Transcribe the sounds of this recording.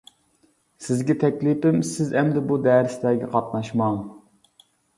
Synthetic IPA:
sɪzɡʲɛt̪ʰɛkʲlipɪmsɪzɛmd̪ɪbud̪ɛɾɪsd̪ɛːɡʲɛqʰɑt̪nɑʃmɑŋ

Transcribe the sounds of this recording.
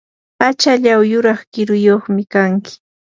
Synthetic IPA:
pat͡ʃaʎawjʊɾɑχkɪɾʊjoχmɪkaŋkɪ̥

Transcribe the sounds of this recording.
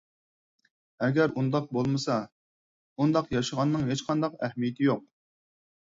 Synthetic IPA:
ɛɡʲæɾund̪ɑq̚bolˠmɨsɑ | und̪ɑqjɑʃəʁɑnːɨŋɦet͡ʃqʰɑnd̪ɑqæhmijɪt̪ʰɪjoq̚

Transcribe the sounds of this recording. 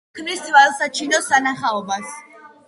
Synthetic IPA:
kʰmist̪ivalsat͡ʃʰinɔsanaχaɔbas

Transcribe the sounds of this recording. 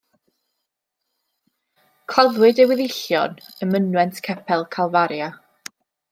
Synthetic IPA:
kʰavɨdəwɪðɪɬjɔnəmənwɛntʰkʰɛpʰɛlˠkʰalˠvaɾja

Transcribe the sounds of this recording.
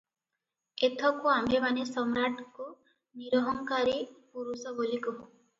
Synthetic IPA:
et̪ʰɔkuamemanesɔmɾaʈʰku | niɾɔɦɔŋkaɾipuɾusɔbolikɔɦõ

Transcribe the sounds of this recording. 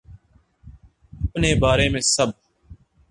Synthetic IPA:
əpneːbaːɾeːmẽːsəb̚

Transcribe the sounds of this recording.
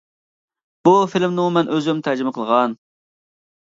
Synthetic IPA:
b̥ufilmnuŋmɛnʔøzymt̪ʰæd͡ʒɪmɪqʰəlˠʁɑn

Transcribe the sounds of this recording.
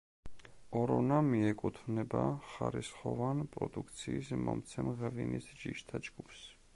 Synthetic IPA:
ɔɾɔnamiɛkʼut̪ʰvnɛbaχaɾisχɔvanpʼɾɔd̪ukʰt̪sʰiːsmɔmt̪sʰɛmʁɛvinisd͡ʒiʃt̪ʰad͡ʒɡupʰs

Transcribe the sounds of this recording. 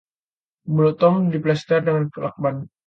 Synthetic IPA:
mulɔt̪ɔmdiplɛst̪ərdəŋankəla̰k̚ban

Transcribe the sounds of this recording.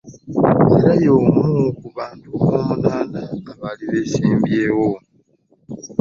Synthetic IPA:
eɾajoːmukuβaːntuβomunaːnaaβaliβesiːmbjewo

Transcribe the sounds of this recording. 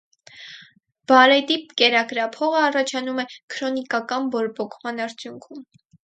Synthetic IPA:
b̥ɑɾɛd̪ip̚kɛɾɑkɾɑpʰɔʁəɑrɑt͡ʃʰɑnumɛkʰɾɔnikɑkɑnbɔɾbɔkʰmɑnɑɾt͡sʰjuŋkʰum

